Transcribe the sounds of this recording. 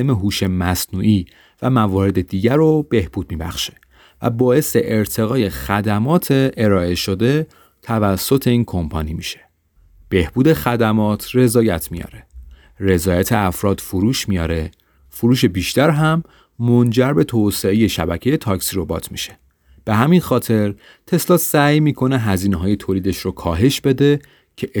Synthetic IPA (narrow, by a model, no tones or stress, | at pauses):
emeɦuːʃe̞mæsnuːʔiː | væmævɒːɾe̞d̪e̞d̪iːɟæɾob̥e̞hb̥uːd̪̚miːbæ̰xʃe̥ | væ̰bɒːe̞seʔeɾt̪ʰe̞ɣɒːje̞xæd̪æmɒːt̪ʰeʔeɾɒːe̞ʃo̞d̪e̞ | t̪ʰævæsːo̞t̪ʰe̞iːnkʰo̞mpʰɒnimiʃe̥ | b̥e̞hbuːd̪e̞xæd̪æmɒːt̪ʰre̞zɒːjæt̪ʰmijɒ̰ːɾe | re̞zɒːjæt̪ʰe̞æfɾɒːd̪̥fuɾuːʃmijɒ̰ːɾe | fuɾuːʃ̬e̞biʃt̪æɾɦæmː | ond͡ʒæɾbe̞t̪ʰose̞eje̞ʃæbæcʰeje̞t̪ʰɒːcsiɾobɒ̰ːt̪ʰmiʃe̥ | b̥e̞ɦæminxɒːt̪ʰe̞ɾ | t̪ʰe̞slɒːt̪sæːjmiːkʰo̞neɦæziːneɦɒːje̞t̪ʰoːliːd̪e̞ʃɾokʰɒːɦe̞ʃb̥e̞d̪e̞ | cʰe